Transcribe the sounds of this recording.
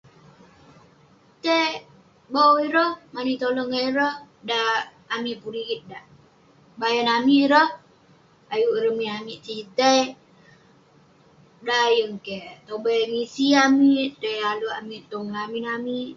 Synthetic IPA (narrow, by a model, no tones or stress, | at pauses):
t̪e | bawiɾɔhmanit̪olɔŋaiɾɔ | daː | miʔpuɾiɡit̪̚daʔ | bajənamiɾɔh | ajuʔɾəmiamiʔt͡ʃit̪ej | daːjəŋket̪obəŋisiamiʔt̪ealuamiʔt̪oŋlaminami